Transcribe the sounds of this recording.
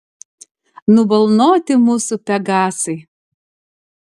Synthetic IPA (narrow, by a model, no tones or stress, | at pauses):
nʊbɐlˠnoːt̪ʲɪmuːsʊpʲɛɡɑːsɐɪ